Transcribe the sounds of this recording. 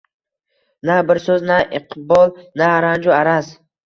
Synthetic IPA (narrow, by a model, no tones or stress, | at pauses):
nabɪɾsɵznaʔɪqʰbɒlˠnaːɾand͡ʒʊaɾas